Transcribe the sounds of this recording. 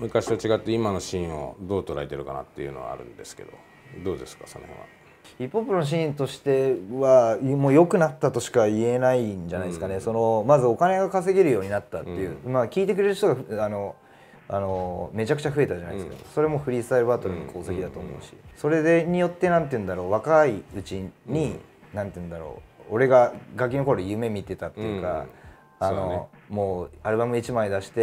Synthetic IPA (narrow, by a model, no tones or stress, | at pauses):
mɯ̟kaɕiβat͡ɕiɡat̪ːe̞imano̞ɕĩo̞̰d̪o̞ːt̪o̞ɾait̪e̞ɾɯ̟kana̰t̪ːe̞̰iɯ̟̰no̞βa̰a̰ɾɯ̟̰̃nd̪e̞sɨ̥ke̞̰d̪o̞̰ | d̪o̞ːd̪e̞sɨ̥kaso̞nohḛ̃ːa̰ | ipːo̞pːɯnonoɕ̬ĩːnt̪o̞ɕi̥t̪e̞βamoːjo̞kɯ̟nat̪ːat̪o̞ɕi̥kaie̞naiɲd͡ʑanaid̪esɨkane̞so̞no̞mazɨo̞kane̞ɡakase̞ɡʲeɾɯ̟jo̞ːɲ̟inat̪ːat̪ːe̞jɯ̟makʲiːt̪ekɯ̟ɾe̞ɾɯ̟ɕt̪o̞ɡaano̞ | ano̞me̞t͡ɕakɯ̟̥t͡ɕaɸɯ̟e̞t̪aʑana̰id̪eɨka̰d̪oso̞ɾemo̞ɸɯ̟ɾʲisɨ̥t̪aɾɯbaːt̪o̞ɾɯ̟ɲ̟ikʰo̞ːse̞kʲid̪at̪o̞ːmo̞̰ːɕi̥̰so̞ɾe̞d̪eɲ̟ijo̞t̪ːe̞nãnt̪eɯ̟nd̪aɾo̞ːβakaiɯ̟t͡ɕiɲ̟i | nãnt̪eɯ̟̃nd̪aɾo̰ːoɾe̞ɡaɡak̬ʲːinoko̞ɾojɯ̟me̞mʲit̪e̞t̪at̪ːe̞jɯ̟ka̰ | ano̞mo̞ːaɾɯ̟bamɯit͡ɕimaid̪aɕi̥t̪e̞